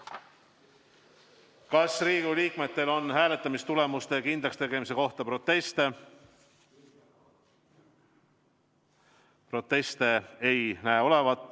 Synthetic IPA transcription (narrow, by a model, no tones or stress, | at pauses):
kɑsriːɡuliːkme̞t̪ːe̞lo̞nːhæːle̞t̪ˑːɑmist̪ule̞must̪e̞kind̪lɑkst̪e̞ɡe̞mis̬e̞ko̞ht̪ɑpɾo̞t̪ːˑe̞st̪e | pro̞t̪ːˑe̞st̪e̞ejnæːo̞le̞vɑt̪ːˑ